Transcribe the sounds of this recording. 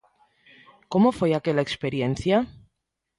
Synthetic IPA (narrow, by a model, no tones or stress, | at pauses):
ko̞mofweake̞laekspe̞ɾje̞n̟θja